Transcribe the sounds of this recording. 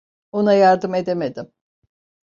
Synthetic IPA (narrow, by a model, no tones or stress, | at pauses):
o̞najaɾd̪ɯme̞d̪emed̪im